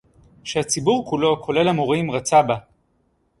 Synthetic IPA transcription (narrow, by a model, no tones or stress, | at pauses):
ʃehat͡sibuʁkulo̞kʰo̞le̞lamoʁimʁat͡saba